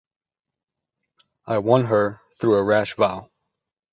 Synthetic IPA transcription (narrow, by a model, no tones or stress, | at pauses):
ʔaɪwʌ̃nɦə˞θɹuəɹæʃvaʊ